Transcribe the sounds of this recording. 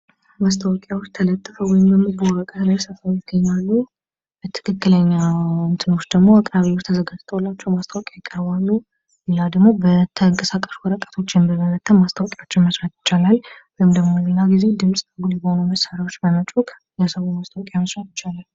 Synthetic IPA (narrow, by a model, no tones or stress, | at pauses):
mast̪ʰəwɔkʼjawɔt͡ʃːt̪ʰələt̪ʼːɨfəwɔjɪmbəmːɨzboɾəkʼət̪ʰlajsəfajɪɡːəɲːalːu | t̪ʰɨ̥kʰɨkːɨləɲːant̪ʰɨno̞t͡ʃːd̪əɡmo̞akʼɾaβewɔt͡ʃt̪ʰəzəɡad͡ʒt̪ʰəwlːat͡ʃːɛwmast̪ʰəwəkʼajɪkʼːəɾβalːu | lad̪əɡmo̞bət̪ʰəŋkʼəsakʼə̥ʃwɔɾəkʼḁt̪ʰo̞t͡ʃːɛnbəmələt̪ʰʼːəmmast̪ʰəwɔkʼjat͡ʃːɪnməsɾat̪jɪ̥t͡ʃːalalwɔjmd̪əɡmo̞linaɡized̪ɨmsʼɡuljɛbhonuməsaɾawo̞t͡ʃːbəmət͡ʃʼukʼ | jɛsəwomast̪ʰəwkʼjaməsɾat̪jɪt͡ʃːalal